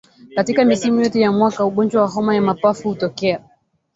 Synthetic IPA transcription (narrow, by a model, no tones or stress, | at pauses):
katikamisimujɔtɛjamwakauɠɔnd͡ʒwawaɦɔmajamapafuhutɔkɛa